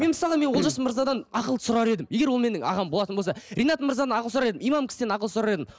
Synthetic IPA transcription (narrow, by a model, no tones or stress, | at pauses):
me̞nmɪsɑlˠəme̞nwo̞lˠʒɑsəməɾzɑd̪ɑnɑqəlˠə̥sʊɾɑɾe̞d̪ɪmje̞ɡʲewo̞lˠme̞nɪŋɑ̰ʁɑmboɑt̪ənblsɑɾijnɑt̪məɾzɑd̪ɑnɑqəlˠsʊɾɑɾed̪ɪmijmɑmkʲʰɪ̥sd̪enɑqəlˠəsʊɾɑɾe̞d̪ɪm